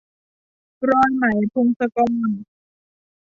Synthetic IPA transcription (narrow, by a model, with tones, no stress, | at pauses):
kɾɔː˧nna˨˩˦jpʰo˧ŋsa˧kɔː˧n